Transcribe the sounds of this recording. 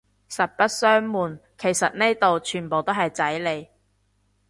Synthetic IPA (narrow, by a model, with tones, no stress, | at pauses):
sɐ˨t̚pɐ˥t̚sœː˥ŋmuː˨nkʰe˨˩jsɐ˨t̚ne˥t̪o˨wt͡ʃʰyː˨˩npo˨wt̪o˥whɐ˨jt͡sɐ˨˥jle˨˧j